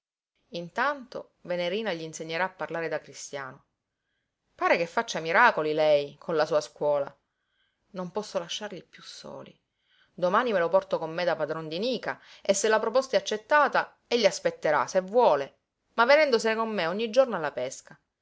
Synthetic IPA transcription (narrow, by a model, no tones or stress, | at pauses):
int̪ant̪o̰ | veneɾiːnaʎiːnseɲːeɾaːpːarlaːɾed̪akɾist̪ja̰ːno | paːɾekefːat͡ʃːamiɾaːkolilɛjkʰonlasuːaskwɔːla | nompɔsːolaʃːarʎipːjusːo̰ːlḭ | d̪omaːnimelopɔrt̪okomːed̪apad̪ɾond̪iniːka̰esːelːapɾopɔst̪aɛat͡ʃːet̪ːaːt̪a | eʎːiaspet̪ːeɾa̰sevwɔːle | mavːenɛnd̪osenekomːeɔɲːid͡ʒornoalːapɛska